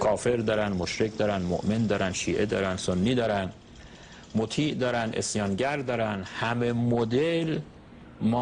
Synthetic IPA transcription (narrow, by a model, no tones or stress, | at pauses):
kʰɒːfe̞ɾd̪ɒːɾænd̪moʃɾecʰd̪ɒːɾænd̪mo̰ʔmend̪ɒːɾænʃiːʔe̞d̪ɒ̰ːɾænsonːiːd̪ɒːɾæn | mot̪ʰiːʔd̪ɒːɾænd̪ʔḛsjɒːnɟæɾd̪ɒːɾænhæmemod̪el | mɒː